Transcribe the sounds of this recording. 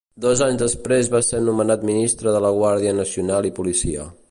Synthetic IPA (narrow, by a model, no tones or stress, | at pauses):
d̪ɔzaɲzðəspɾezβaseɾnumənat̪minist̪ɾəðələɣwaɾðiənəsiunalˠipulisiə̰